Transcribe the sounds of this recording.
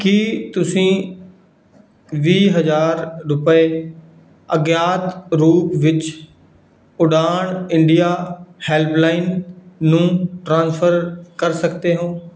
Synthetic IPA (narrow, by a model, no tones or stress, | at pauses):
kiːt̪ʊsĩː | ʋiːɦəd͡ʒaːɾɾʊpe | əɡjaːt̪ɾuːpʋɪt͡ʃ | ʊɖaːɳɪ̃ɳɖijaːhɛːlplaːɪnːũːʈɾãːnspʰəɾkəɾsəkt̪eːɦõː